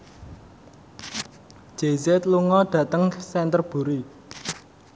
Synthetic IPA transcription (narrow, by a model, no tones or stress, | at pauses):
d̥ʒ̥e̤zet̪luŋɔɖ̥ä̤t̪əŋsɛnt̪ərb̥ṳɾi